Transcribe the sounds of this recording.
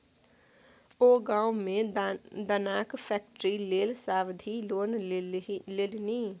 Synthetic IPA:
oːɡãːumẽd̪ənaːkpʰɛːk̚ʈɾileːlsaːʋd̪ʱiloːn | leːlni

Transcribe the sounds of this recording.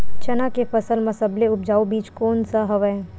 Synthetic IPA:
t͡ʃɐnakefɐsəlmɐsəbleʊp̚d͡ʒaːubiːt͡ʃkɔːnsaɦɐʋɛ

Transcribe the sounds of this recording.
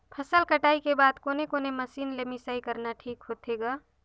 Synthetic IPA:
pʰəsəlkəʈaːikebaːd̪koːnekoːneməsiːnlemisaːikəɾnaʈʰiːkɦoːt̪ʰeɡaː

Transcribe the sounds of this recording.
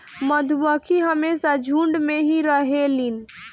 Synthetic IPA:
məd̪ʱbəkʰiɦəmesad͡ʒʱuɳɖmeɦiɾəɦelin

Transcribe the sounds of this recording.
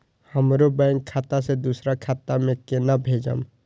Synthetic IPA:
həmɾobɛ̃ŋkʰːaːt̪ased̪usɾakʰaːt̪amẽkenabʱeːd͡ʒə̰m

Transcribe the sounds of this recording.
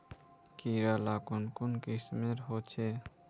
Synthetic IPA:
kiɾalakonkonkismeɾɦot͡ʃʰe

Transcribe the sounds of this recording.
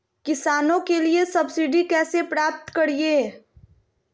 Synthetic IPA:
kɪsaːnõkeliesɐbsiɖikɛːsepɾaːp̚t̪kɐɾie

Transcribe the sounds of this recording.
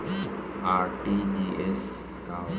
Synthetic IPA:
aːɾʈid͡ʒies | ka

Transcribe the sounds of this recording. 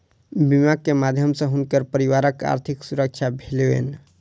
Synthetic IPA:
bimakːemad̪ʱjəmsə̃ɦunkəɾpəɾiwaɾəka̰ɾt̪ʰiksuɾək̚t͡ʃʰabʱeleḛn

